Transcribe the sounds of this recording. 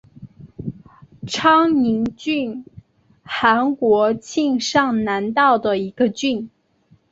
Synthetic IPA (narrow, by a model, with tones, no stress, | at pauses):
ʈ͡ʂʰɑ˥ŋni˧˥ŋt͡ɕy˥˩n | xa˧˥nkwɔ˧˥t͡ɕʰi˥˧ŋʂɑ˥˩ŋna˧˥nt̪ɑ˥˩ʊd̪ə˩i˧˥ɡ̥ə˧t͡ɕy˥˩n